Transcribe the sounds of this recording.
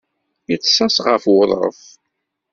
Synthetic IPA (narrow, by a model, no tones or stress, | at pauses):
jət͡sːsæsʁə̰fwʊðˤəθ